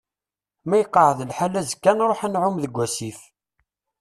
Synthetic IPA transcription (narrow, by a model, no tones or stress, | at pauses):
mæjəqːəʕəðlħalæzəkːænɾˤoħænʕʊmðəɡʷːæsif